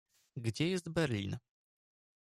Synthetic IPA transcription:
ɡd͡ʑɛjɛst̪bɛɾlʲḭn

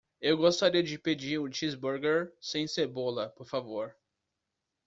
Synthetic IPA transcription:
ewɡost̪aɾiɐd͡ʒɪped͡ʒiɾʊt͡ʃizbuɾɡeɾsẽj̃seɾbolɐpoɾfavoɾ

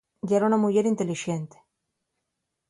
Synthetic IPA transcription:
ɡaɾounamuʝeɾint̪eliʃent̪e̥

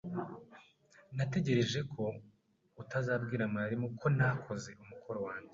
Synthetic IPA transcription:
nate̞ɟe̞ɾe̞ʒe̞kʰo̞ | utazaːbɡiːɾamaaɾimokʰo̞nakʰo̞ze̞umukʰoɾowaːɲɟe

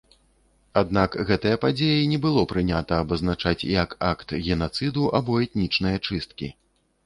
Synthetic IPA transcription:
ad̪nakɣɛt̪ɐjɐpad͡zʲejɛnʲɛbɨlˠɔpɾɨnʲat̪ɐːbɐznat͡ʂat͡sʲjɐkakt̪ɣʲɛnat̪sɨd̪uʔabɔɛt̪̚nʲit͡ʂnɨjɐt͡ʂɨst̪̚kʲḭ

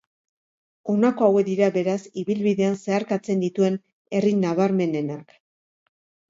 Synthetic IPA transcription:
o̞nako̞awed̪iɾabe̞ɾasiβilβiðe̞anse̞aɾkat͡se̞nd̪it̪ue̞n | e̞rinaβaɾme̞ne̞nak

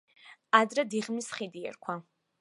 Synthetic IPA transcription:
ad̪ɾɛd̪iʁmisχid̪iɛ̰ɾkʷʰwa

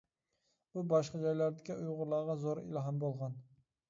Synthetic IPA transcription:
b̥ubɑʃqɑd͡ʒɑjlæɾd̪ɪkʲiujʁʊɾlˠɑːʁɑzoɾḭlɑɦɑmbolˠʁɑn

